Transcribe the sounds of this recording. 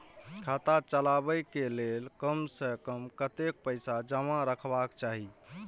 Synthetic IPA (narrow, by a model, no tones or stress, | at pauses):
kʰat̪at͡ʃəlabəjkelelkəmsəkəmkət̪ek̚pəɪsad͡ʒəmãɾəkʰbakt͡ʃaɦi